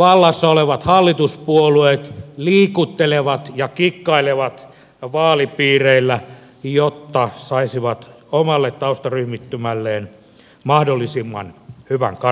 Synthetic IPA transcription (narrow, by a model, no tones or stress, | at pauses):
ʋɑlːɑsːɑoleʋɑt̪hɑlːit̪uspuolueːt̪liːkut̪ːeleʋɑt̪jɑkikːɑileʋɑt̪ | ʋɑːlipiːreilːæ | jot̪ːɑsɑisiʋɑt̪ | omɑlːet̪t̪ɑust̪ɑryhmit̪ːymælːeːn | mɑhdolːisimːɑ̰nhyʋæ̰ŋkɑ